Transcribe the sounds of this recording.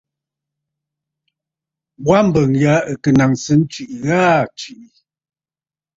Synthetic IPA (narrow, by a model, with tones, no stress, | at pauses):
bwa˦m̩˦˨bə˨ŋja˨˦ə˨kə˨na˨ŋsə˦n̩˦t͡ʃi˨ʔi˨ɣaː˦t͡ʃi˨ʔi˨